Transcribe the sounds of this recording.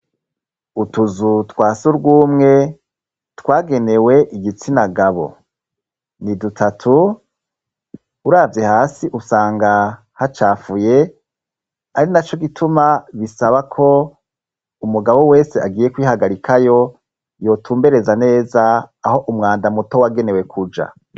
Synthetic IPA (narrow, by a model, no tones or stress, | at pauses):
utuzutwaːsuɾɡuːmŋe̞ | twaːɡe̞ne̞we̞ʔiɡit͡sinaɡaβo̞̰ | nidutʰatʰu | ɾaːvje̞haːsiʔusaːŋɡa | hat͡ʃaːfuje̞ | aɾinat͡ʃo̞ɡitʰumaβisaβakʰo̞ | umuɡaβo̞we̞ːseaɡiːjekwiːhaɡaɾikʰajo̞ | jo̞ːtʰuːmbe̞ɾe̞zane̞ːzaːho̞ʔumŋaːndamuto̞waɡe̞ne̞we̞kʰud͡ʒa̰